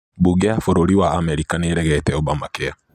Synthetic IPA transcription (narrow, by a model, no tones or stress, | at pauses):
buɡeafoɾoɾiwaamɛɾikaneɾɛɣɛtɛɔbamakea